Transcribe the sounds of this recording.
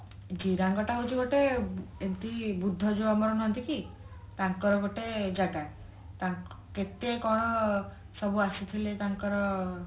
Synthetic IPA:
d͡ʒiɾaŋɡɔʈaɦut͡ʃʰiɡoʈeent̪ibud̪ʱːɔd͡ʒoamɔɾɔnɔɦɔnt̪iki | t̪aŋkɔɾɔɡoʈed͡ʒaɡae | t̪aŋket̪ekɔɽ̃ɔ | sɔbuasit̪ʰilet̪aŋkɔɾɔ

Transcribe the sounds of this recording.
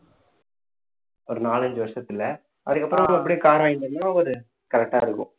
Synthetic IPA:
ɔɾɯnaːlɐɲd͡ʒɯʋɐɾʂɐt̪ːɪlɛ | ɐðɯkːɐpːɯɾɔ̃mɐ̃ɛpːɐɽij̃kaːɾaːjɪnd̪ɐnːaʋɐɾɯ | kɐɾɛk̚ʈaːɪɾɯkːʊ̰̃

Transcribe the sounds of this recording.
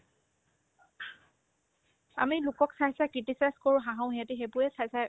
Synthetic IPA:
a̰milʊkɔksasakɹitisajskoɹʊ̃ɦãɦãʊ̃ɦɛatɛɦebʊɛsajsa

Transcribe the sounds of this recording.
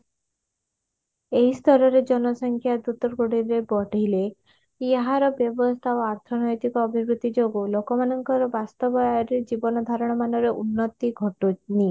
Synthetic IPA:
eɦist̪ʰɔɾɔɾed͡ʒɔnɔsɔŋkʰjad̪ut̪ɔɾɡoɽiɾebɔɖʱele | jaɦaɾɔbjɔbɔst̪ʰaoaɾt̪ʰɔnɔjt̪ikɔːbʱibɾut̪id͡ʒoɡulokɔmanɔŋkɔɾɔbast̪ɔbɔjaɾed͡ʒibɔnɔd̪ʱaɾɔɽ̃ɔmanɔɾeʔunːɔt̪iɡʱɔʈuni

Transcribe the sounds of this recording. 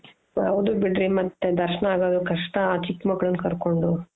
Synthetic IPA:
ɐʋd̪ubiɖɾimɐt̪ːed̪ɐɾʃɐnɐaːɡad̪ukɐʂʈɐaːt͡ʃikmɐɡɐɭɐnːkɐɾko̞ɳɖu

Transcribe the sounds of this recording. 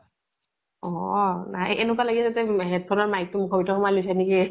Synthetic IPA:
ɔnaʔḛnʊk̬walaɡitatɛɦet̚pʰɔnɔɹmajk̚tʊmʊkʰɔbitʰɔxɔmalojsaniki

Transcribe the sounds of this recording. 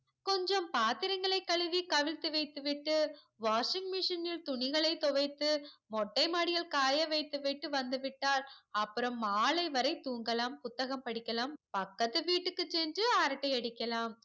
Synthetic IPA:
kɔɲd͡ʒɔmpaːt̪ɪɾɐŋɡɐɭɐɪkːɐɭɯʋikɐʋɪlt̪ɯʋɐɪt̪ːɯʋɪʈːɯ | ʋaːʂɪŋɡmɪʂɐnɪlt̪ʊɳɪɣɐɭɐɪt̪ɔʋɐɪt̪ːɯmɔʈːɐɪmaːɽɪjɐɭkaːjɐʋɐɪt̪ːɯʋɐɪʈːɯʋɐnd̪ɯʋɪʈːaːlɐpːɯɾɐmːaːlɐɪʋɐɾɐɪt̪uːŋɡɐlaːmpʊt̪ːɐɣɐmpɐɽɪkːɐlaːmpɐkːɐt̪ːɯʋiːʈːɯkːɯt͡ʃːɛndrɯaːɾɐʈːɐɪɐɽɪkːɐlaːm

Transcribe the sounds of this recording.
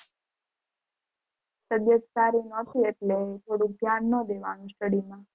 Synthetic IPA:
səd̪jəd͡ʒsaɾinət̪ʰieʈlet̪ʰoɽuk̚d̪ʱjanːəd̪eʋanũsʈəɽimã

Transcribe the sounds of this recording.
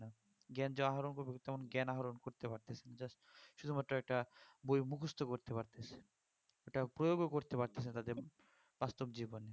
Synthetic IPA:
a | ɡɛnd͡ʑɔaɦaɾonkoɾbet̪ɛmonɡɛnaɦaɾonkoɾt̪epaɾt̪esʰenad͡ʑas | ʃud̪umat̪ːɾoɛk̚ʈabojmukʰust̪ʰokoɾt̪epaɾt̪esʰe̥ | ɛkʈapɾojoɡokoɾt̪epaɾt̪esʰent̪ad̪eɾ | b̥ast̪obd͡ʑibone

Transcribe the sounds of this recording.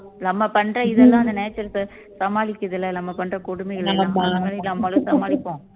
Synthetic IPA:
nɐmːɐpɐɳrɐɪðɛlːãːɐnd̪ɐneːt͡ʃːɐɾs | sɐmaːɭɪkːɐðɪlːɐnɐmːɐpɐɳrɐkʊɽʊmɪɣɐɭɐmɐɐŋɐɭɪlɐmːɐlɐ̃sɐmaːɭɪkːõː

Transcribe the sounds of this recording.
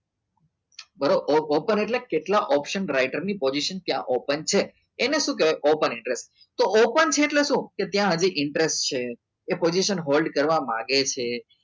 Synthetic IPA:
bəɾoʔoʔopəneʈlekeʈlaʔɔpʃənɾaiʈəɾnipod͡ʒiʃənt̪jã̰ʔopənt͡ʃʰeː | neʃũk̬eoʔopənɪɳʈɾesʈ | t̪oʔopənt͡ʃʰeːʈleʃũket̪jãɦəd͡ʒiʔɪɳʈɾesʈ̚t͡ʃʰeː | pod͡ʒiʃənɦolɖkəɾʋamã̰ɡet͡ʃʰe

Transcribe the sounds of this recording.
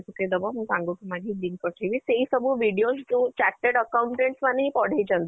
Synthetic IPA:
t̪uked̪əbɔmũsãŋɡut̪umaɡ̪ʱiliŋkəʈʰeʋiseisəbʱuʋiɖijosd͡ʒũt͡ɕaʈːeɽəkawɳʈẽɳʈsmanɦĩpɔɽ̤ed͡ʑənd̪

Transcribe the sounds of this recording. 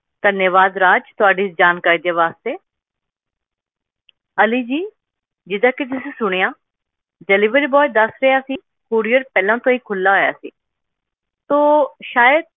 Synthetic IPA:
d̪̥ənjəʋaːd̪ɾaːd͡ʒt̪ʊaːɖiːsd͡ʒaːnkaːɾiːd̪eːʋaːst̪eː | əliːd͡ʒiː | d͡ʒɪd̪ãːked͡ʒɪseːsʊɽ̃ejãː | d͡ʒəliːʋəɾiːbɔːjd̪əsɾəjaːsiː | kuːɾijəɾpɛːlãːt̪õːiːkʰʊlːaːɦoːja̰ːsḭː | t̪õːʃaːjəd̪̚

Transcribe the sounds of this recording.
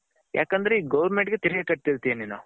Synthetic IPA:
ja̰ːkɐnd̪ɐɾeiːɡɐʋɐɾmeɳʈɡet̪iɾɐɡekɐʈ̚t̪iɾt̪ijeniːnṵ

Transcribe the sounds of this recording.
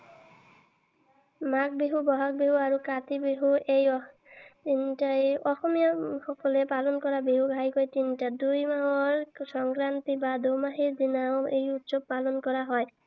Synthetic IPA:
mak̚beɦubɔɦak̚beɦuaɹukat̪ibeɦuejɔ | tintajɔxɔmijɔxɔkɔlɛpalɔnkɔɹabeɦuɡʱajkojtintadujmaɦɔɹsɔŋkɹant̪ibad̪omaɦiɹd̪inaʊejutsɔb̚palɔnkɔɹaɦɔj

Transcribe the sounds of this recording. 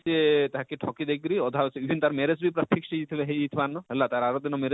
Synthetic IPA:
siet̪aɦakiʈʰɔkid̪ekɾiɔd̪ʱasiibʱint̪aɾmeɾesbʱipɾat̪ʰːikʃejit̪ʰileɦeit̪ʰbanɔɦɛlːat̪aɾaɾod̪inɔmeɾe

